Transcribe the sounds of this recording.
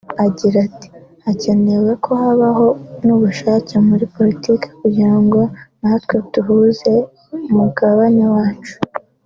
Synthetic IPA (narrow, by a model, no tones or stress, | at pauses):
aɟiɾati̥hace̞ne̞wekʰo̞haβaɦo̞nuːβuʃaːcemuɾipo̞ɾitiːke̥kuɟiɾaŋɡo̞natkwetuɦuze̞ | umuɡaβaɲewaːt͡ʃu̥